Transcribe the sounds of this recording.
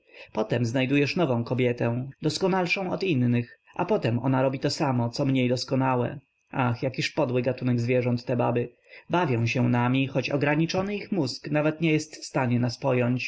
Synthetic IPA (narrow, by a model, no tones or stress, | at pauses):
pɔt̪ɛmznajd̪ujɛʂnɔvɔ̃w̃kɔbʲjɛt̪ɛ̃d̪ɔskɔnalʂɔ̃w̃ɔt̪inːɘxa̰pɔt̪ɛmʔɔ̰naɾɔbʲit̪ɔsamɔt̪sɔmɲejd̪ɔskɔnawɛ̰ | ʔaxjakʲiʂpɔd̪wɘɡat̪unɛɡzvʲjɛʐɔnt̪ːɛbabɘ | bavʲjɔ̃w̃ɕɛnamʲixɔt͡ɕɔ̰ɡɾaɲit͡ʂɔnɘixmusknavɛt̪ɲɛjɛst̪fst̪aɲɛnaspɔjɔɲt͡ɕ